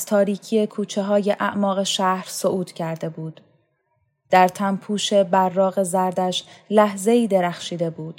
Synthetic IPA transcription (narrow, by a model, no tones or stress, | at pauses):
z̥t̪ʰɒːɾiːcʰiːe̞kʰuːt͡ʃʰe̞ɦɒːje̞ʔæʔmɒːɣe̞ʃæhɾsoʔuːt̪ʰcʰæɾd̪e̞buːd̪̥ | d̪̥æɾt̪ʰæmpʰuːʃe̞bæɾːɒːɣe̞zæɾd̪æʃlæhze̞iːd̪e̞ɾæχʃiːd̪e̞buːd̪̥